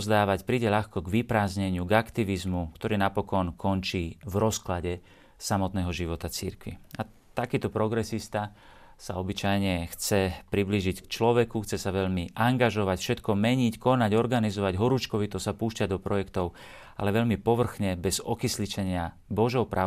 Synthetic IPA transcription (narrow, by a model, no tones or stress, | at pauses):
zd̪aːʋacpɾiːɟɛʎaxkɔɡʋipɾaːzɲɛɲɪuɡakt̪iʋizmukt̪ɔɾiːnapɔkɔnkʰɔnt͡ʃiːvɾɔsklaɟɛ | samɔt̪nɛːɦɔʒiʋɔt̪at͡siɾkʋḭa | t̪akiːt̪ɔpɾɔɡɾɛsist̪a | sa̰ɔbit͡ʃajɲɛxt͡sɛpɾibliːʒickt͡ʃlɔʋɛkuxt͡sɛsaʋɛʎmiʔaŋɡaʒɔʋacfʃɛt̪kɔmɛɲickɔnaɟɔɾɡanizɔʋaɟɦɔɾuːt͡ʃkɔʋit̪ɔsapuːʃcaɟd̪ɔpɾɔjɛkt̪ɔʊ | a̰lɛʋɛʎmipɔʋr̩xɲɛbɛzɔkislit͡ʃɛɲɪa | bɔʒɔʊpɾʔaː